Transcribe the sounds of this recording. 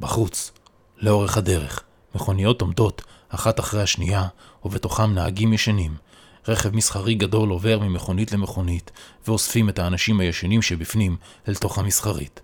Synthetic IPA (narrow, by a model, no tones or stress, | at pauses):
baχut͡s | leo̞ʁeχhade̞ʁe̞̰χ | meχo̞nijo̞to̞mdo̞taχataχʁejhaʃnḭja | uve̞to̞χamnaaɡimjeʃanim | ʁe̞χevmisχaʁiɡado̞lo̞ve̞ʁmimeχo̞nitle̞me̞χo̞nitveosfime̞thaːnaʃimhajeʃanimʃebifnim | elto̞χhamisχaʁḭt